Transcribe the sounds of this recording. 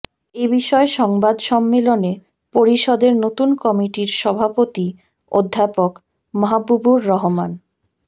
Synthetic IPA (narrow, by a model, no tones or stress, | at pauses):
ebiʃɔeʃɔŋbad̪ʃɔmːelone | poɾiʃɔd̪eɾnot̪unkɔmiʈiɾʃɔbʱapot̪i | o̰d̪ʱːapok | mɔɦabːubuɾːɔɦoman